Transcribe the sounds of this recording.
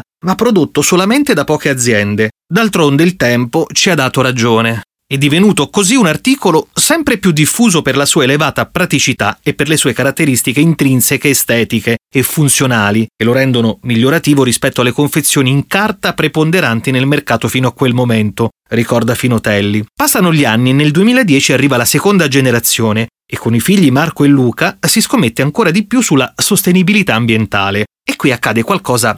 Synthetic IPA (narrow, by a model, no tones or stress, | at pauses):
mapːɾod̪ot̪ːosolament̪ed̪apːɔːkead̪zːjɛnd̪e | d̪alt̪ɾond̪eilt̪ɛmpot͡ʃiad̪ːaːt̪oɾad͡ʒoːne | ɛd̪ːivenuːt̪okoziunart̪iːkolosɛmpɾepjud̪ːifːuːzoperlasuːaelevaːt̪apɾat̪it͡ʃit̪aepːerlesuːekaɾat̪ːeɾist̪ikeint̪ɾinsekeːst̪ɛːt̪ikeːfunt̪sjonaːlikeloɾɛnd̪onomiʎːoɾat̪iːvoɾispɛt̪ːoalːekoɱfet̪sːjoːniːŋkart̪apɾepond̪eɾant̪inelmerkaːt̪ofiːnoakːwelmoment̪o | rikɔrd̪afinot̪ɛlːipasːanoʎianːinːeld̪uemiːlaed̪jɛːt͡ʃiarːiːvalasekond̪ad͡ʒeneɾat̪sːjoːne | ekːonifiʎːimarkoelːuːkasiskomːet̪ːeaŋkoːɾad̪ipjusulːasost̪enibilit̪aːmbjent̪aːle | ekːwiakːaːd̪ekwalkɔːza